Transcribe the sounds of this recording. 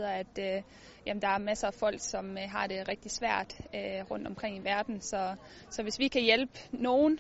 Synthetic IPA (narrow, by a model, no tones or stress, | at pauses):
ðˠɐæd̥ø | jʔæmn̩d̥ɑ̈æɐmæsəæfɒ̽l̰ɡ̥sɒ̽mɦɑ̈ɾ̥e̝ʁeɡ̥̚d̥isʋæɐ̰d̥øʁɔ̽n̰d̥ɒ̽mkʰʁeŋ̰iʋæɐd̥n̩sɒ̽ | sɒ̽ʋe̝sʋikʰæjelb̥əno̝ːn